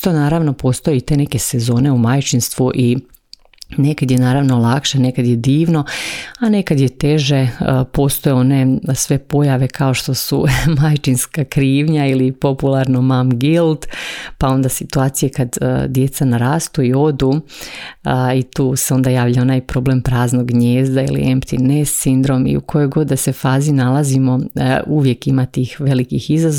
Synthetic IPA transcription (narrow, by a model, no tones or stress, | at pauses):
t̪onaːɾaʋno̞po̞ːst̪ojet̪e̞neke̞se̞zo̞ːne̞umaːjt͡ʃinst̪ʋuʔi | ne̞kad̪jenaːɾaːʋnolˠakʃane̞kad̪jed̪iːʋno̞ane̞kad̪jet̪e̞ʒe̞po̞ːst̪ojeo̞ne̞sʋe̞po̞jaʋe̞kʰao̞ʃt̪o̞sṵmajt͡ʃinskakɾiːʋɲailipo̞pulˠaɾnomamɡilˠt̪pao̞nd̪asit̪uaːt̪sijekad̪̰d̪je̞t̪sanaɾaːst̪uio̞d̪u | it̪uːseo̞nd̪ajaːʋʎao̞najpɾo̞ble̞mpɾaːznoɡɲeːzd̪aḭlḭempt̪inessind̪ɾo̞mḭṵkʰo̞jo̞jɡo̞d̪̚d̪ase̞faːzinalˠazimo̞ʔuʋjekimat̪iːxʋe̞likixizaz